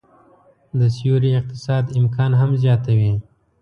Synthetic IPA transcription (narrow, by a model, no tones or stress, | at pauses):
d̪əsijuɾiɪq̚t̪ɪsɑːd̪ɪmkʰɑːnɦamzjɑt̪awi